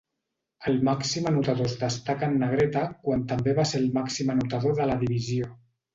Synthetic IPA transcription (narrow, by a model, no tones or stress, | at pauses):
əlˠmaksimənut̪aðozd̪əst̪akəːnːəɣ̞ɾet̪akwant̪əmbeβaseɾlˠmaksimənut̪að̞oðələðiβizio